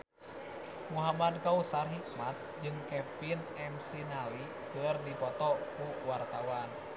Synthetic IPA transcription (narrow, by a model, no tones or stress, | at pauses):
muɦamadkausarɦik̚mat̪̚d͡ʒɨŋkɛfinɛmsinali | kɨrdipɔt̪ɔkuwart̪awan